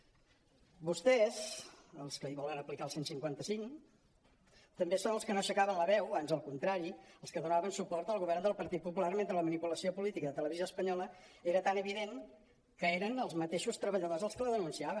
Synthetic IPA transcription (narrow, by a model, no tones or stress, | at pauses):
bust̪ɛzəlˠskəiβɔlənəplikalˠsensiŋkwant̪əsiŋ | t̪əmbesonəlˠskənoʃəkaβənləβɛwβanzəlˠkunt̪ɾaɾiəlˠskəðunaβənsupɔrt̪əlˠɣuβɛrnd̪əlˠpəɾt̪it̪̚pupularmenɾələmənipuləsiopulit̪ikəðət̪ələβizoəspəɲɔləeɾət̪anəβiðeŋ | kəeɾənəlˠzmət̪eʃust̪ɾəβəʎəðozəlˠskələðənunsiaβə